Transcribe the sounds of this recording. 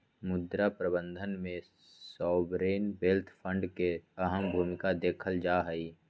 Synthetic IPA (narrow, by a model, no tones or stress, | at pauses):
mʊd̪ɾapɾəbə̃nd̪ʱənmẽ | sɔːbɾeːnbelt̪ʰpʰə̃ɳɖkeəɦəmbʱuːmɪkad̪eːkʰəld͡ʒaːɦəiː